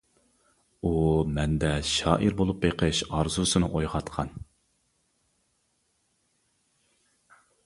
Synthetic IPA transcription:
umɛnd̪ɛʃɑːʔiɾbolˠupbeqʰəʃɑɾzusɨnɨʔojʁɑt̪qʰɑn

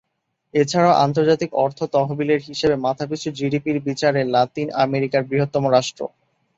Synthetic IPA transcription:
et͡ɕʰaɾaoʔa̰nt̪oɾd͡ʑat̪ikɔɾt̪ʰot̪ɔɦobileɾɦiʃebemat̪ʰap̬it͡ɕʰud͡ʑiɖipiɾbit͡ɕaɾelat̪ina̰meɾikaɾbɾiɦot̪ːɔmoɾaʃʈɾo̰

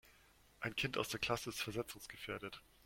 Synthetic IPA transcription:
ʔaɪnkʰɪntaʊsd̥eːɐkʰl̥asədəsfɛɐzɛt͡sʊŋsɡ̥əfeːɐɾət

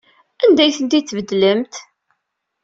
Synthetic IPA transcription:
ænd̪æjθənt̪it͡sːvəd̪ːləmt̪

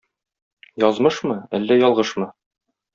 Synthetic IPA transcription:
jɒzmɤʃmɤælːæjɒlˠʁɤʃmɤ

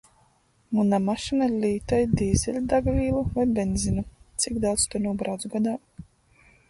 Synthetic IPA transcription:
munamaʃinalʲiːt̪ajd̪iːzʲɛlʲd̪aɡvʲiːlˠuvajbɛnʲzinat̪siɡd̪awt̪st̪unuːbɾawd̪sɡad̪aː

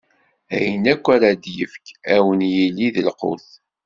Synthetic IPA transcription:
æ̰jənækʷːaɾad̪jəfkæwənjilːiðəlqʊ̰θ

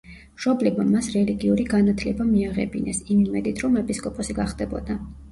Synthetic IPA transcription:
mʃɔblɛbma̰mːasɾɛliɡiuɾiɡanat̪ʰlɛbamiaʁɛ̰bḭnɛsimimɛd̪it̪ʰɾɔmɛpʼiskʼɔpʼɔsiɡaχd̪ɛbɔ̰d̪a

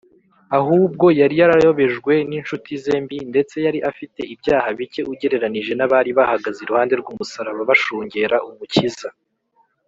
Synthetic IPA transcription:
aɦuːb̚ɡo̞jaɾijaɾajo̞βe̞ʒɡwe̞ninʃutʰize̞ːmbinde̞t͡se̞jaɾiʔafite̞ʔibjaːhaβice̞uɟe̞ɾe̞ɾaniʒe̞naβaɾiβahaɡazeɾuhaːnde̞ɾɡuːmusaɾaβaβaʃuːɲɟe̞ɾaʔumuciza

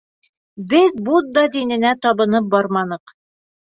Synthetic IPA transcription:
bɘðbud̪̚d̪ɑd̪inɘ̆næt̪ɒβɤ̆nɤp̚bɑɾmɑnɤq

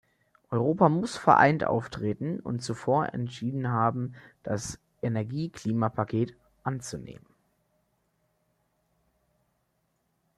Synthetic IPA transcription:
ʔɔʏʁoːpamʊsfɛɐʔa̰ɪntʔa̰ʊftʁ̥eːtn̩ʊ̰ntt͡sufoːɐʔɛ̰ntʃiːdn̩ɦaːbm̩d̥as | ʔenɛɐɡiːkʰl̥iːmapʰakʰeːt | ʔant͡sunḛːmən

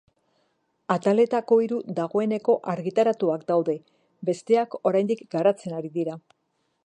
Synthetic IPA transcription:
at̪ale̞t̪ako̞iɾud̪aɣ̞o̞e̞ne̞ko̞ʔaɾɣit̪aɾat̪uakd̪awðe̞ | be̞st̪e̞ako̞ɾajnd̪ikɡaɾat͡se̞naɾiðiɾa

